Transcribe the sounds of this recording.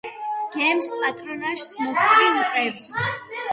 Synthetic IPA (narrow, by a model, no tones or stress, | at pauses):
ɡ̥ɛmspʼat̪ʼɾɔnaʃsmɔskʼɾiut̪sʼɛps